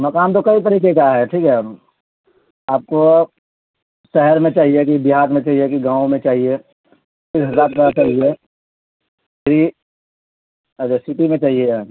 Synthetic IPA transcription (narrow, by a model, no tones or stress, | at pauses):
mɐkaːnt̪̬okɐit̪̬əɾiːkekaɦɛʈʰiːkɦɛ | aːp̚ko | ʃɛɦəɾmẽt͡ʃaːɦiekibɪɦaːɾmẽt͡ʃaːɦiekiɡãːõmẽt͡ʃaːɦie | isɦəzaːɾ̚p̪əɾat͡ʃaːɦie | meɾi | əd͡ʒsɪʈimẽt͡ʃaːɦie